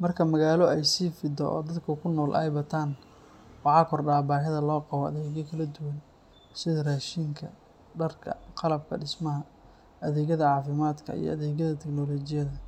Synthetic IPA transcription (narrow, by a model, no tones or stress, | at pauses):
mɐrkʰɐmɐɣaːlɔɛjsiːfɪd̪ɔ̰ʔɔ̰ːd̪ɐd̪kʰʊkʰʊnɔːlʔɛ̰jbɐt̪ʰaːn | wɑʕɑːkʰɔrɖaːbaːhɪðɐlɔːqɑβɔɐ̰ðɛːɣjɐkʰɐlɐd̪ʊwɐn | sɪðɐraːʃɪŋkʰɐ | ɖɐrkʰɐ̰qɑlɐb̚kʰɐ̰ɖɪsmɐɦɐ | ɐðɛːɣɐðɐʕɑːfɪmaːd̪kʰɐ̰ḭjɞ̰ʔɐðɛːɣɐðɐt̪ʰɛɡnɔlɔt͡ʃɪjɐðɐ